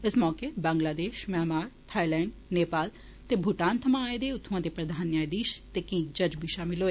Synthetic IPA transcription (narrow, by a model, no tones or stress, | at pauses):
ɪsmɔːkebãːŋɡlaːd̪eːʃmjaːmaːɾt̪ʰaːilɛ̃ːɳɖneːpaːl | t̪eːbʱuʈãːnt̪ʰəmãaːed̪eːʊt̪ʰːũãːd̪eːpɾəd̪ʱaːnjaːjd̪iːʃt̪eːkĩːd͡ʒəd͡ʒbʱiːʃaːmɪlɦoːeː